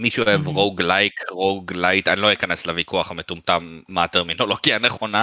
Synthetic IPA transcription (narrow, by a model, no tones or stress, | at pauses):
miʃuoevʁoɡlajkʰʁoɡlajtanilojekane̞slevikʰuaχametumtamːateʁmino̞loɡianeχo̞na